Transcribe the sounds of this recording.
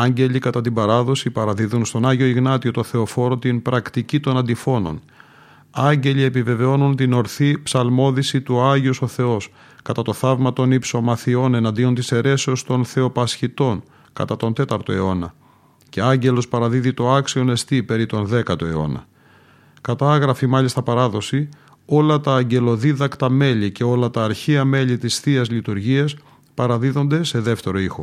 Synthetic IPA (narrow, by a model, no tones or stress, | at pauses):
ɐɲɟe̞ʎikɐt̪ɐt̪ibɐɾɐðo̞sipɐɾɐðiðunst̪o̞nɐʝio̞iɣnɐt̪io̞t̪o̞θe̞o̞fo̞ɾo̞t̪inpɾɐkt̪icit̪o̞nɐnd̪ifo̞no̞̰n | ɐɲɟe̞lie̞pive̞ve̞o̞nunt̪ino̞ɾθipsɐlmo̞ðisit̪uɐʝioso̞θe̞o̞s | kɐt̪ɐt̪o̞θɐvmɐt̪o̞nipso̞mɐθio̞ne̞nɐnd̪io̞nt̪ise̞ɾe̞seost̪o̞nθe̞o̞pɐsçit̪o̞n | kɐ̰t̪ɐt̪o̞nt̪e̞t̪ɐɾt̪o̞e̞o̞nɐ | ce̞ɐɲɟe̞lo̞spɐɾɐðiðit̪o̞ɐksio̞ne̞st̪ipe̞ɾit̪o̞nðe̞kɐt̪o̞e̞o̞̰nɐ̰ | kɐt̪ɐɐɣɾɐfimɐʎist̪ɐpɐɾɐðo̞si | o̞lɐt̪ɐːɲɟe̞lo̞ðiðɐkt̪ɐme̞ʎice̞o̞lɐt̪ɐːɾçiɐme̞ʎit̪isθiɐzlit̪uɾʝiɐs | pɐɾɐðiðo̞nd̪e̞se̞ðe̞ft̪e̞ɾo̞ixo̞